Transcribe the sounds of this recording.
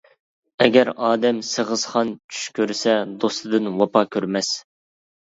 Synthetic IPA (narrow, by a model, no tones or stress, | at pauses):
ɛɡʲɛɾɑːd̪ɛmsəʁəz̥χɑnt͡ʃʰy̥ʃkʲʰøɾsɛd̪ost̪ɨd̪ɨnwɑpʰɑkʲʰøɾmɛs